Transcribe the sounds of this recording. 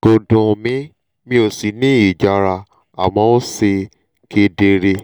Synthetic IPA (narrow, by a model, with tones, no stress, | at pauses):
ɡ̥o˧dũ˨mĩ˦ | mĩ˧o˨si˨nĩ˦i˨d͡ʒa˧ɾa˧ | a̰˨wɔ̃˧˦o˦se˧ | kʰe˧de˧ɾe˧